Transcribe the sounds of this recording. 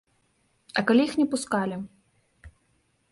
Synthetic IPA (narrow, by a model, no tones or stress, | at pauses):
ɐkalʲijixnʲɛpuskalʲi